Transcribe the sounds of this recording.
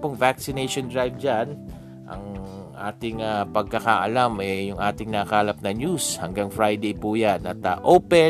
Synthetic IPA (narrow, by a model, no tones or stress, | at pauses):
pʊŋvaksɪnejʃond̪ɹajb̚d͡ʒan | ʔɐ̰ŋʔaːt̪ɪŋapɐɡ̚kɐkaʔɐ̰lamʔɛjʊŋʔaːt̪ɪŋnakaːlɐp̚nɐɲjushɐŋɡaŋfɹajd̪ejpuːjanɐt̪ɐʔowpɛ